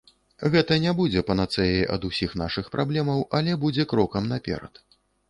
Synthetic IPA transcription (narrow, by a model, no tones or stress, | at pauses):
ɣɛt̪ɐnʲɛbud͡zʲɛpɐnat̪sɛjɛjʔɐ̰d̪usʲixnaʂɨxpɾʔablʲɛmɐwʔɐlʲɛbud͡zʲɛkɾɔkɐmnapʲɛ̰ɾɐ̰t̪